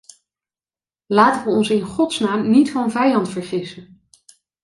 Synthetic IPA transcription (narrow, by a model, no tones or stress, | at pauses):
laːtənʋəɔnsɪnχɔtsnaːmnitfɑnvɛjɑntfəɹχɪsən